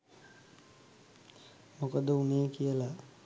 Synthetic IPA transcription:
mokəd̪əunejəkijəla

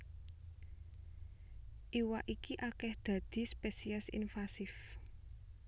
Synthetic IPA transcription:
ʔiwaʔikiʔakɛhd̪̥ä̤d̪̥i̤spesiɛsḭnfasɪf

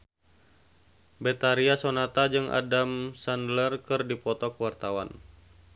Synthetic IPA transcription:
bɛt̪aɾiasonat̪ad͡ʒɨŋʔa̰damsandlərkɨrdipɔt̪ɔkəwart̪awa̰n

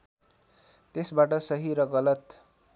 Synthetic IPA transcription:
t̪esbaʈʌsʌɦiɾʌɡʌlʌt̪

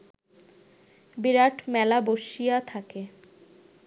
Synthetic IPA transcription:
biɾaʈʰmɛlaboʃijat̪ʰake

